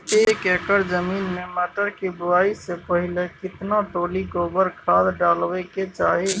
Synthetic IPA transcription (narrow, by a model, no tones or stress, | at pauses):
t̪ekekəɾd͡ʒəminmemaʈəɾkebuaisepəɦilekɪt̪naʈolikobəɾkʰad̪ɖalbɛket͡ʃaɦi